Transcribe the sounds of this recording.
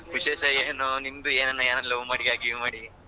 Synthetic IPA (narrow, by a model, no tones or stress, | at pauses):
ʋiʃeːʃɐeːnonimd̪ueːnɐnːɐaːnɐlɐʋmaːɽiɡaːɡimaːɽi